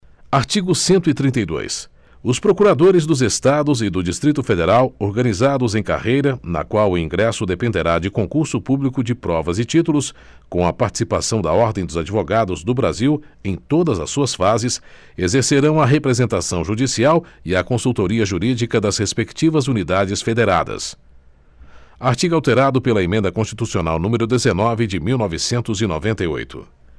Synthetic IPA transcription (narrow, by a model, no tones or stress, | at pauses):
aɾt͡ʃiɡʊsẽnt̪ʊɪt̪ɾĩnt̪ejd̪o̰js | ʊspɾokuɾad̪oɾɪzd̪ʊzest̪ad̪ʊzɪd̪ʊd͡ʒist̪ɾit̪ʊfed̪eɾawoɾɡɐ̃nizad̪ʊzẽj̃ka̰hejɾɐnɐ̰kwawʊĩŋɡɾɛsʊd̪epẽnd̪eɾad͡ʒɪkõkuɾsʊpublikʊd͡ʒɪpɾɔvɐzɪt͡ʃit̪ulʊs | kõɐpaɾt͡ʃi̥sipasɐ̃w̃d̪ɐɔɾd̪ẽj̃d̪ʊzad͡ʒivoɡad̪ʊzd̪ʊbɾa̰ziw | ẽj̃t̪od̪ɐzɐsːuɐsfazɪs | ezeɾseɾɐ̃w̃ɐɦepɾezẽnt̪asɐ̃w̃ʒud͡ʒisiawɪɐkõsuwt̪oɾiɐʒuɾid͡ʒikɐd̪ɐzhespekt͡ʃivɐzunid̪ad͡ʒɪsfed̪eɾad̪ɐ̰s | aɾt͡ʃiɡawt̪eɾad̪ʊpelɐemẽnd̪ɐkõst͡ʃi̥t̪usiona̰wnũmeɾʊd̪ezenɔvɪd͡ʒɪmiwnɔvɪsẽnt̪ʊzɪno̰vẽnt̪ɐjo̰jt̪ʊ̰